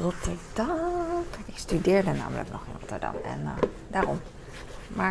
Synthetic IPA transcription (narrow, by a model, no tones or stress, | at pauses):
rɔtʰəɹdɑmɪstydɪːɹdəna̰ːmələ̰knɔχɪnrɔtəɹdɑ̰mɛ̰n | daːrɔm | maː